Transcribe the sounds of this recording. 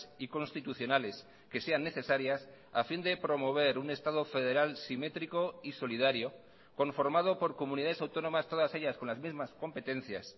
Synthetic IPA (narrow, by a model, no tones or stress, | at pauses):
siko̞nst̪it̪uθjonale̞s | ke̞se̞anːe̞θe̞saɾjas | a̰find̪e̞pɾo̞mo̞β̞e̞ɾune̞st̪aðo̞fe̞ðe̞ɾalsime̞t̪ɾiko̞iso̞lið̞aɾjo̞ | ko̞ɱfo̞ɾmað̞opo̞ɾko̞muniðaðsawt̪o̞nõ̞mast̪o̞ðase̞ʎasko̞nlazmizmasko̞mpe̞t̪e̞n̟θja̰s